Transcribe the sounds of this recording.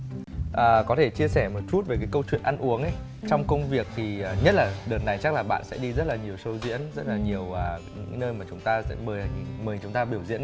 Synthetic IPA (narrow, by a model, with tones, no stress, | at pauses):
ʔəː˨˩kɔ˨˦t̪ʰe˧˩t͡ɕi˧əsɛ˧˩mo˨˩t̚t͡ɕu˦˥t̚ve˨˩kaː˨˦jkə˧wt͡ɕwḭ˧˨ənʔa˧nʔu˨˦əŋʔə˨˦j | t͡ɕɔ˧wŋ͡mkə˧wŋ͡mvi˨˩ək̚t̪ʰi˨˩ʔaː˨˩ɲə˦˥t̚laː˨˩ɗəː˨˩nːa˨˩jt͡ɕa˦˥k̚laː˨˩ɓa̰ː˧˨nsɛ̰˧˥ɗi˧zə˦˥t̚laː˨˩ɲi˨˩əwsə˧wzḭ˧˥ənzə˦˥t̚laː˨˩ɲi˨˩əwʔəː˨˩ɲɨ̰˧˥nəː˧jmaː˨˩t͡ɕʊ˨˦ŋ͡mt̪aː˧sɛ̰˧˥məː˨˩˨məː˨˩t͡ɕʊ˨˦ŋ͡mt̪aː˧ɓi˧˩əwzḭ˧˥ən